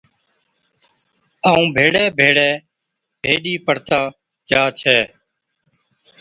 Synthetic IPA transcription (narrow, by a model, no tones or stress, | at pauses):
aːũːbʱeːɽɛːbʱeːɽɛː | bʱeːɗiːpəɽ̤t̪aː | d͡ʒaːt͡ʃʰɛː